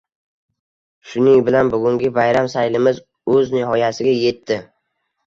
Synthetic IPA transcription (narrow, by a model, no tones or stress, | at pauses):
ʃʊnɪŋbɪlanbʊɡʲʊŋɡʲɪvajɾamsajlɪmɪz | ɵznɪɦɒjasɪɡʲaje̞t̪ʰːɪ